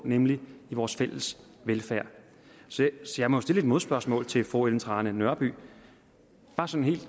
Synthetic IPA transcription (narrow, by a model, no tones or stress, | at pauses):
nemliiʋɒːsfel̰əs | ʋelfæɐ̰ | sɒsɒ̽jɑ̈ɪmɒjosd̥e̝ləe̝d̥̚mo̝ð̞ˠsb̥ɶɐsmɔ̰̽ːlt͡sʰe̝fɔ̰elnt͡sʰʁɑ̈ːnənɶɐb̥y̰ː | b̥ɑ̈sɒ̽nɦe̝̰ːld̥